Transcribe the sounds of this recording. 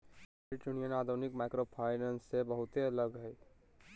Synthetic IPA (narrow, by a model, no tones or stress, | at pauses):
ɾɪʈjunijənaːd̪ʱunɪkmaːɪkɾopʰaːɪnə̃nsːebɐɦʊt̪eɐləɡɦɛ